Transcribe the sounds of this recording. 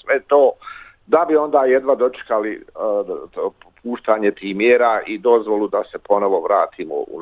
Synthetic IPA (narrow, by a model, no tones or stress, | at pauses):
sʋet̪oː | d̪abio̞nd̪aːjed̪ʋad̪o̞t͡ʃe̥kali | pʰuːʃt̪aːɲet̪iːhmjeːɾaːʔid̪o̞zʋo̞lud̪asepo̞no̞ʋoʋɾaːt̪ʰiːmo̰ṵ